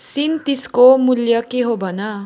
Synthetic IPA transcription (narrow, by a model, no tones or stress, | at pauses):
sint̪iskomuljʌkeɦobʱʌnʌ